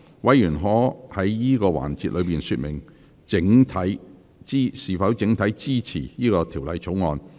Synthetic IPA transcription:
wɐ˨˥jjyː˨˩nɦɔː˨˥hɐ˨˥jjiː˥kɔː˧wa̰ː˨˩nt͡siː˧t̚lɵ˨˧ɥpiː˨nsyː˧t̚mɪ̰˨˩ŋ | t͡sɪ˨˥ŋt̪ʰɐ˨˥j | t͡siː˥siː˨˩fɐ˨˥wt͡sɪ˨˥ŋt̪ʰɐ˨˥jt͡siː˥t͡sʰḭː˨˩jiː˥kɔː˧t̪ʰiː˨˩wlɐ˨˧jt͡so˨˥wŋɔː˧n

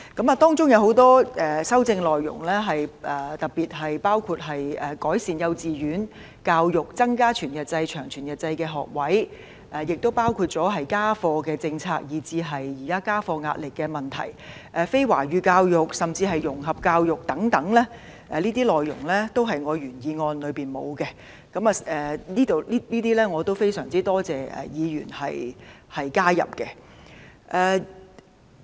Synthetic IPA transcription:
kɐ˨˥mɐː˨˩t̪ɔː˥ŋt͡sʊ˥ŋjɐ˨˧who˨˥wt̪ɔː˥ʔɛː˨sɐ˥wt͡sɪ˧ŋlɔː˨jːʊ̰˨˩ŋlɛː˥ɦɐ˨jʔɛː˨˩t̪ɐ˨˩k̚piː˨t̚ɦɐ˨jpaː˥wkʰuː˧t̚ɦɐ˨jɛː˨kɔː˨˥jsiː˨njɐ˨˧wt͡siː˨jyː˨˥n | kaː˧wjʊ˨k̚t͡sɐ˥ŋkaː˥t͡ʃʰyː˨˩njɐ˨t̚t͡sɐ˧jt͡ʃʰœː˨˩ŋt͡ʃʰyː˨˩njɐ˨˩t̚t͡sɐ˧jkɛː˧ɦɔ̰ː˨k̚wɐ˨˥j | ʔɛː˨˩jɪ˨k̚t̪o˥wpaː˥wkʰuː˧t̚t͡sɔː˨˥ɦɐ˨jkaː˥fɔː˧kɛː˧t͡sɪ˧ŋt͡sʰaː˧k̚jiː˨˩t͡siː˧ɦɐ˨jːiː˨˩kaː˥kaː˥fɔː˧ŋa̰ː˧t̚lɪ˨kːɛː˧mɐ˨˩nt̪ʰɐ̰˨˩j | ʔɛː˨˧fe˥jwa̰ː˨˩ɥyː˨˧kaː˧wjʊ˨˩k̚sɐ˨˩mt͡siː˧ɦɐ˨jʊ˨˩ŋɦɐ˨p̚kaː˧wjʊ˨k̚t̪ɐ˨˥ŋt̪ɐ˨˥ŋlɛː˥ | ʔɛː˨liː˥t̪iː˥lɔː˨˩jːʊ̰˨˩ŋlɛː˥t̪o˥wɦɐ˨jŋɔː˨˧ɥyː˨˩njiː˨˧ŋɔː˧nlɵ˨˧ɥpiː˨nmo̰˨˧wkɛ˧ | kɐ˨˥mɐ˨ɛː˨˩iː˥t̪o˨wi˥liː˥t̪iː˥lɛː˥ŋɔː˨˧t̪o˥wfe˥jsœ̰ː˨˩ŋt͡siː˥t̪ɔː˥t͡sɛː˨ʔɛ̰˨jiː˨˧jy̰ː˨˩nhɐ̰˨jhɐ˨jkaː˥jɐ̰˨˩p̚kɛ˧ | ʔɛː˧

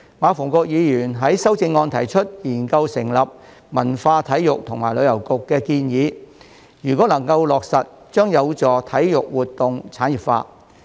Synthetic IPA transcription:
maː˨˧fʊː˨˩ŋkɔː˧k̚jiː˨˧jyː˨˩nɦɐ˨˥jsɐ˥wt͡sɪ˧ŋːɔː˧nt̪ʰɐ˨˩jt͡ʃʰɵ˥t̚jiː˨˩nkɐ˧wsɪ˨˩ŋlɐ˨p̚ | mɐ˨˩nfaː˧t̪ʰɐ˨˥jjʊ˨k̚t̪ʰʊ˨˩ŋmaː˨˩jlɵ˨˧ɥjɐ˨˩wkʊ˨kːɛː˧kiː˧njiː˨˧ | jyː˨˩kʷɔː˨˥lɐ˨˩ŋkɐ˧wlɔː˨k̚sɐ˨t̚ | t͡ʃœː˥ŋjɐ˨˧wt͡sɔː˨˩t̪ʰɐ˨˥jjʊ˨k̚wuː˨t̚t̪ːʊ˨ŋt͡sʰaː˨˥njiː˨˩pfa̰ː˧

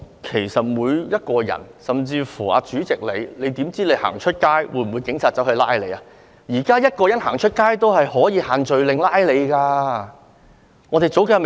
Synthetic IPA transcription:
kʰe˨˩jsɐ˨t̚muː˨˧jjɐ˥t̚kɔː˧jɐ̰˨˩nsɐ˨mt͡siː˧fuː˨˩a̰ː˨˧t͡ʃyː˨˥t͡sɪ˨k̚le˨˧jle˨˧jt̪iː˨˥mt͡siː˥le˨˧jha̰ː˨˩ŋt͡ʃʰɵ˥t̚kaː˥jwuː˨˧˥jm̩˨wu˨˧jkɪ˨˥ŋt͡sʰaː˨t̚t͡sːɐ˨˥whɵ˧laː˥jle˨˧jaː˧ | jiː˨˩kaː˥jɐ˥t̚kɔː˧jɐ˨˥nha̰ː˨˩ŋt͡ʃʰɵ˥t̚kaː˥jt̪o˥whɐ˨jhɔː˨˥jiː˨˧haː˨nt͡ʃɵ˨ɥlɪ˨ŋlaː˥jle˨˧jkaː˧ | ŋɔː˨˧t̪e˨jt͡so˨˥wke˧˥˧m

